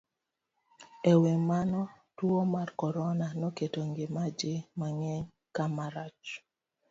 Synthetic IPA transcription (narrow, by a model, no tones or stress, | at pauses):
ewemanɔ | twomarkɔɾɔnanɔketoŋɡemad͡ʒɪmaŋɛ | kamaɾat͡ʃ